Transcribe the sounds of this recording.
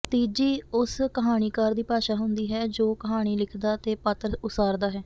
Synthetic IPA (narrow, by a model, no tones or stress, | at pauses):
t̪iːd͡ʒiːʊskəɦaːɽ̃iːkəɾd̪iːpaːʃaːɦʊnd̪iːɦɛːd͡ʒoːkəɦaːɽ̃iːlɪkʰd̪aːt̪eːpət̪ɾʊsaːɾd̪aːɦɛː